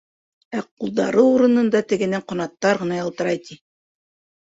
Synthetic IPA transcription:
æqulˠðɑ̰ɾɤuɾɤ̆nɤ̆nd̪ɑt̪ɘ̆ɡɘ̆næɴqŏnɑt̪ːɑɾʁɤ̆nɑjɑ̆lˠt̪ɤ̆ɾɑjt̪i

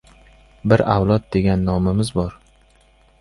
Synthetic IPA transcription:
bɪɾawlˠɒt̪̚d̪e̞ɡʲanːɒmɪmɪzbɒɾ

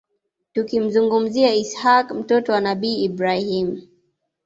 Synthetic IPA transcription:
tukim̩zuŋɡum̩ziaishakm̩tɔtɔwanaɓiːibɾahim

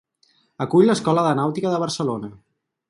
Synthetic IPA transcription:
əkuʎləskɔləðənawt̪ikəðəβ̞əɾsəlonə

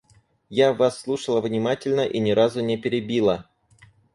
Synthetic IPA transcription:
javasːlˠuʂəlˠəvnʲɪmatʲɪlʲnəʔinʲɪɾazʊnʲepʲɪɾʲɪbʲilˠə

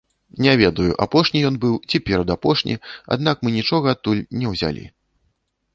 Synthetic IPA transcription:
nʲavʲɛd̪ɐjṵʔapɔʂnʲijɔnbɨwt͡sʲɛpʲɛɾɐd̪apɔʂnʲḭa̰d̪n̪akmɨnʲit͡ʂɔɣɐat̪t̪ːulʲnʲɛwzʲa̰lʲḭ

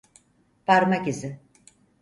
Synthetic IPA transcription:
paɾmakizɪ

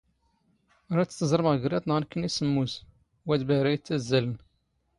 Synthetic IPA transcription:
ɾˤæt͡sːt̪ːəzˤɾˤəmʁəɡɾɑt̪ˤnʁənkːənisəmːuz | wæd̪bæɾæjət͡sːæzːælən

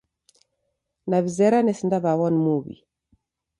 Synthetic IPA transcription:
naβizɛɾanɛsindaβawɔnmuβḭ

